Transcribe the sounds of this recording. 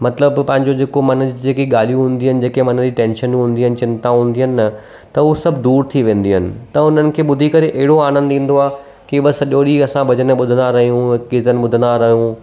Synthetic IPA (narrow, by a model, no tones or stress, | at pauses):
mɐt̪ləbpɐ̃ɦɪ̃ɲd͡ʑod͡ʑeːkomɐnd͡ʑid͡ʑeːkiɠaːl̤ijũɦũːnd̪iɦənɪ̆d͡ʑeːkemɐnəd͡ʑiʈẽːnʃənɦũːnd̪iɦənɪ̆t͡ɕɪ̃nt̪aɦũːn̆d̪iɦənɪ̆nɐ | t̪ɐʊsɐbʱd̪uːɾt̪ʰiʋẽːnd̪iɦənɪ̆t̪ɐʊn̤ənɪ̆kʰeːɓʊd̪ʱikɐɾeʔɐɦɪɽoaːñə̃nd̪ĩːn̆d̪oaː | kiɓɐsɐʄoːɗiɐsãbɐd͡ʑənəɓʊd̪ʱənd̪aɾɐɦijũkizənɪ̆ɓʊd̪ʱənd̪aɾɐɦijũ